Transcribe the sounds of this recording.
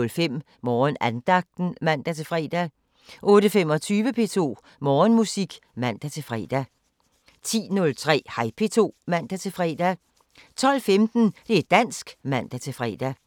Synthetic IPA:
lfem̰ | mɒːnænd̥ɑ̈ɡ̥̚d̥n̩mæn̰d̥æt͡sʰe̝fʁɛ̰ːd̥æ | ʔɔ̽ːɾəfemɒ̽t͡sʰyːʋəpʰe̝t͡sʰo̝̰ː | mɒːnmusiɡ̥mæn̰d̥æt͡sʰe̝fʁɛ̰ːd̥æ | t͡sʰḭːnɔ̽lt͡sʰʁɛ̰ːhɑ̈ɪpʰe̝ːt͡sʰo̝̰ːmæn̰d̥æt͡sʰe̝fʁɛ̰ːd̥æ | t͡sʰɒ̽l̰femd̥n̩d̥e̝æd̥æn̰sɡ̥mæn̰d̥æt͡sʰe̝fʁɛ̰ːd̥æ

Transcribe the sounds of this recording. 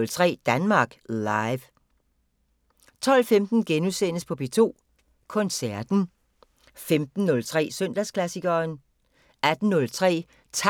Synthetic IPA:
lt͡sʰʁɛ̰ːd̥ænmɑ̈ːɡ̥lɑɪʋ | t͡sʰɒ̽l̰femd̥n̩ɡ̥enusen̰əspʰɒ̽b̥e̝t͡sʰo̝̰ː | kʰɔ̽nsæɐd̥n̩ | femd̥n̩ːɔ̽lt͡sʰʁɛ̰ːsøn̰d̥æskʰlæsiɡ̥ɐːn | æd̥n̩ːɔ̽lt͡sʰʁɛ̰ː | t͡sʰ

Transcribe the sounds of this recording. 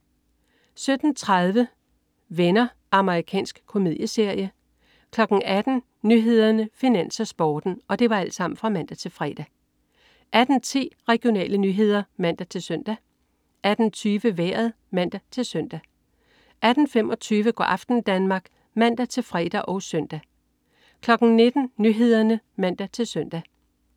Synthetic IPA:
sød̥n̩t͡sʰʁað̞ˠʋə | ʋenɐ | ʔɑ̈məʁikʰɛ̰ːnsɡ̥kʰo̝mið̰ˠjəse̝ɐ̰jə | kʰlɒ̽ɡ̥n̩æd̥n̩ | nyɦe̝ð̞ˠɐnəfinæn̰sɐsb̥ɒːd̥n̩ɒ̽d̥e̝ʋɑ̈æl̰d̥sɑ̈m̰n̩fʁɑ̈mæn̰d̥æt͡sʰe̝lfʁɛ̰ːd̥æ | ʔæd̥n̩t͡sʰḭːʁɛɡ̥ijo̝nɛ̰ːlənyɦe̝ð̞̰ˠɐmæn̰d̥æt͡sʰe̝lsøn̰d̥æ | ʔæd̥n̩t͡sʰyːʋəʋeɐðˠ | mæn̰d̥æt͡sʰe̝lsœn̰d̥æ | ʔæd̥n̩femɒ̽t͡sʰyːʋəɡ̥ɒ̰ːʔɑ̈fd̥n̩d̥ænmɑ̈ːɡ̥ | mæn̰d̥æt͡sʰe̝lfʁɛ̰ːd̥æʔɒ̽ʊsœn̰d̥æ | kʰlɒ̽ɡ̥n̩ne̝d̥n̩nyɦe̝ð̞ˠɐnə | mæn̰d̥æt͡sʰe̝lsœn̰d̥æ

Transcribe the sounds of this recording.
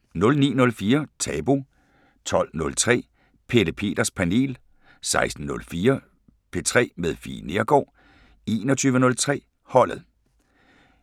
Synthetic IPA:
nɔ̽lnḭːnɔ̽lfiːɐt͡sʰɛːb̥o̝ | t͡sʰɒ̽l̰nɔ̽lt͡sʰʁɛ̰ː | pʰe̝d̥əpʰe̝̰ːd̥ɐspʰæne̝̰ːl | sɑ̈ɪsd̥n̩nɔ̽lfiːɐ | pʰe̝t͡sʰʁɛ̰ːmeð̞ˠfḭːne̝ɐɡ̥ɒ̰ː | e̝ːnɒt͡sʰyːʋənɔ̽lt͡sʰʁɛ̰ː | hɒ̽l̰ð̩ˠ

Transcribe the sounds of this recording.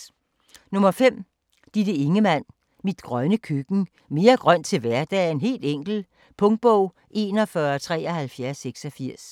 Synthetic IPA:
nɔ̽mɐfem̰ | d̥id̥əe̝ŋəmæn̰ | mid̥ɡ̥ʁɶnəkʰyɡ̥n̩ | me̝ːɐɡ̥ʁɶn̰d̥t͡sʰe̝lʋæɐd̥ɛ̰e̝nɦe̝̰ːld̥eŋ̰ɡ̥l̩ | pʰɔ̽ŋd̥̚b̥ɔʊ̰ | ʔe̝̰ːnɒ̽fɶɐɒt͡sʰʁɛ̰ːɒhælfjæɐsːeɡ̥sɒ̽fiɐ̰s

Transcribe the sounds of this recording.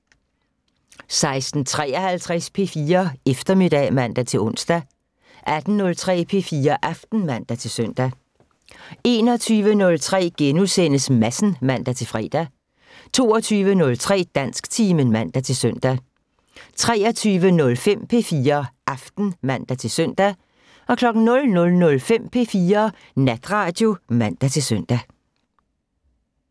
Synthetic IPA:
sɑ̈ɪsd̥n̩t͡sʰʁɛ̰ːɒhælt͡sʰʁɛspʰe̝̰ːfiːɐefd̥ɐme̝d̥ɛ̰mæn̰d̥æt͡sʰe̝lɔ̽n̰sd̥æ | ʔæd̥n̩ːɔ̽lt͡sʰʁɛ̰ːpʰe̝̰fiːɐʔɑfd̥n̩mæn̰d̥æt͡sʰe̝lsøn̰d̥æ | e̝ːnɒ̽t͡sʰyːʋənɔ̽lt͡sʰʁɛ̰ːɡ̥enusen̰əsmæsn̩mæn̰d̥æt͡sʰe̝lfʁɛ̰ːd̥æ | t͡sʰo̝̰ːɒt͡sʰyːʋənɔ̽lt͡sʰʁɛ̰ːd̥æn̰sɡ̥t͡sʰiːmənmæn̰d̥æt͡sʰe̝lsœn̰d̥æ | t͡sʰʁɛːɒt͡sʰyːʋənɔ̽lfem̰pʰe̝fiːɐʔɑfd̥n̩mæn̰d̥æt͡sʰe̝lsœn̰d̥æ | ɒ̽kʰlɒ̽ɡ̥n̩nɔ̽lnɔ̽lnɔ̽lfem̰pʰe̝̰fiːɐ | næd̥ʁɑ̈ːd̥jo̝mæn̰d̥æt͡sʰe̝sœn̰d̥æ

